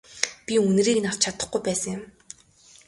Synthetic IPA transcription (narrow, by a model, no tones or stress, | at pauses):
pʲiun̆riːkɘ̆naw̥t͡ɕʰat̪ə̥̆χɡujpæːsə̆ŋjʊ̆m